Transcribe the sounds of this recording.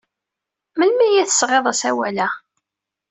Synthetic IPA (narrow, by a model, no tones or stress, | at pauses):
məlmæjæθə̥sʁeðˤæsæwælæ